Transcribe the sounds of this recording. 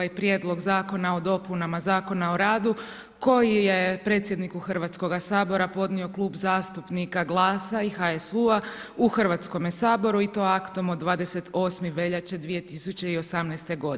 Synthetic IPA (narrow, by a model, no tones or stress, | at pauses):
ajpɾje̞d̪lˠo̞ɡzaːko̞nao̞d̪o̞punamazaːko̞naoɾaːd̪u | ko̞jijepɾe̞t̪sʲje̞d̪nikuxrʋat̪sko̞ɡasaːbo̞ɾapo̞d̪nio̞klˠuːbzaːst̪upnikaɡlˠaːsaixaesua | uxr̩ʋaːt̪sko̞mjesaːbo̞ɾuit̪o̞akt̪o̞mod̪ʋaːd̪e̞se̞t̪o̞ːsmiʋe̞ʎat͡ɕed̪ʋije̞t̪isut͡ɕe̞io̞samnɛjst̪e̞ɡo̞d̪